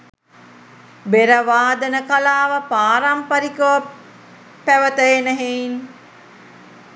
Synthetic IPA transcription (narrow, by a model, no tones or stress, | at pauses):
beɾəʋaːd̪ənəkalaːʋəpaːɾampəɾikəʋə | pæʋət̪əenəɦein